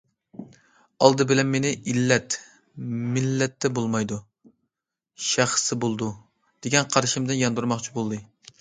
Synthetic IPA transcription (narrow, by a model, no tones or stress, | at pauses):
ɑlˠd̪ɨbɪlɛnmenɪʔilːɛt̪ | mɪlːɛt̪ʰːɛbolˠmɑjd̪u | ʃæχsɨbolˠd̪u | d̪̥eɡʲɛnqʰɑɾʃɪmd̪ɨnjɑnd̪uɾmɑχt͡ʃʰibolˠd̪ɨ